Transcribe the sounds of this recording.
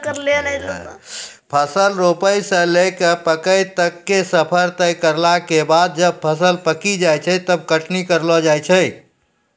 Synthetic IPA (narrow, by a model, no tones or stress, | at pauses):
kəɾlel | pʰəsəlɾopəjsə̃lekepəkəjt̪əkːesəpʰəɾt̪əjkəɾlakebad̪̚d͡ʒəb̚pʰəsəlpəkid͡ʒajt͡ʃʰəjt̪əb̚kəʈʰnikəɾlɔd͡ʒajt͡ʃʰəj